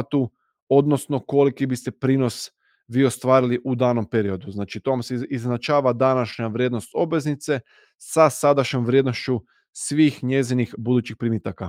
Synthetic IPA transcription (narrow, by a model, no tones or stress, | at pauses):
t̪u | o̞d̪no̞sno̞ko̞likibist̪epɾiːno̞s | ʋiːo̞st̪ʋaːɾiliʔud̪aːno̞mpeɾio̞d̪uznaːt͡ʃit̪o̞ʋamseiznat͡ʃaːʋad̪anaʃɲaʋɾjeːd̪no̞st̪o̞bʋe̞znit̪se̞ | sasad̪aʃɲo̞mʋɾjed̪no̞ʃt͡ʃu | sʋiːxɲe̞zinixbud̪ut͡ɕixpɾimit̪aka